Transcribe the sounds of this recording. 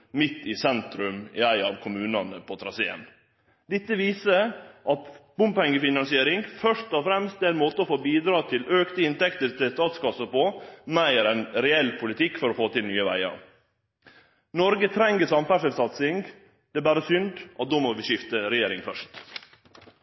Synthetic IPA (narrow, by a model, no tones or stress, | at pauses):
mɪt̪ːɪsɛnt̪ɾʉmɪ̰æɪɑʋkʰʊmʉːnɑnəpʰɔt̪ʰɾɑsḛːə̰n | d̪ɛt̪ːəʋiːsəʔɑt̪b̥ʊmpɛŋːəfɪnɑnsɪeːɾɪŋfœʂtɔfɾɛmst̪ɛæɪnmoːt̪əɔfoːbiːd̪ɾɑːt̪ʰɪløːkt̪əɪnt̪ɛkt̪əɾt̪ɪst̪ɑːt̪skɑsəpɔːmæɪɾɛnɾɛɛlːpʰʊlɪt̪ʰɪkːfɔɾɔfoːt̪ɪlnyːəʋæ̰ɪɑ̰ɾ | nɔɾɡət̪ʰɾɛŋɡəsɑmfæʂəlsɑt̪sɪŋɡ | d̪̥ɛɛbæːɾəsʏnd̪ʔɑt̪̚d̪oːmɔʋɪʃɪft̪əɾɛjeːɾɪŋfœʂt